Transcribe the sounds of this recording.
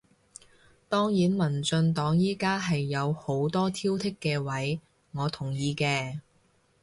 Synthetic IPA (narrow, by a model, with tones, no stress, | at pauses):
t̪ɔː˥ŋjiː˨˥nmɐ˨˩nt͡sɵ˧nt̪ɔː˨˥ŋjiː˥kaː˥ɦɐ˨jːɐ˨˧who˨˥wt̪ɔː˥t̪ʰiː˥wt̪ʰɪ˥kːɛː˧wɐ˨˥j | ŋɔː˨˧t̪ʰʊ˨˩ŋjiː˨˧kɛː˧